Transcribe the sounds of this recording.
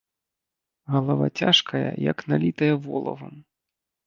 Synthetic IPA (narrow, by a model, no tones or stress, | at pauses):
ɣɐlˠava̰t͡sʲaʂkʰɐjɐ̰jɐ̰knalʲit̪ɐjɐvɔlˠɐ̰vɐ̰m